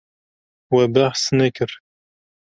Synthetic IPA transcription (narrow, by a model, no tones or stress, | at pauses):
wæbæħsnækəɾ